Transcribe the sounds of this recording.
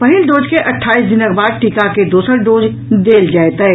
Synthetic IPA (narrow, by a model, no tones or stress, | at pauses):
pɐɦɪld̪oːd͡ʒkeʔɐʈʰːaːiːsd̪ɪnəɡbaːd̪̚ʈikaked̪uːsəɾɖoːd͡ʒ | d̪eːld͡ʒaːt̪ːɦɛː